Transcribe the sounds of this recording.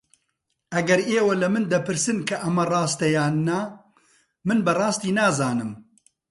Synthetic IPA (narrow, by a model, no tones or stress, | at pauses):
ʔɐɡɐɾeːwɐlɐmɨnd̪ɐpɨɾsɨnkʰɐʔɐmɐrˤɑːst̪ɐjaːnːɐ | mɨnbɐrˤɑːst̪iːnaːzaːnɨm